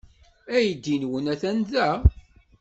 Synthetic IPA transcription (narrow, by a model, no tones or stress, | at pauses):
æjəd̪ːinwənæθænðæ